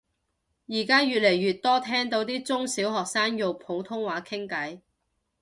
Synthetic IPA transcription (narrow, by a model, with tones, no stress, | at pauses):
jiː˨˩kaː˥jyː˨t̚le˨˩jːyː˨t̚t̪ɔː˥t̪ʰɛː˥ŋt̪o˨˥wt̪iː˥t͡sʊ˥ŋsiː˨˥wɦɔː˨k̚saː˥njo˨wpʰo˨˥wt̪ʰʊ˥ŋwaː˨˥kʰɪ˥ŋkɐ˨˥j